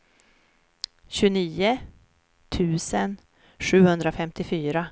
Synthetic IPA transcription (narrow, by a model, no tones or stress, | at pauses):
ɕɵniːə | t̪ʰʉ̟ːsən | ʂʉ̟ːhɵnd̪ɾafɛmt̪ɪfyːɾa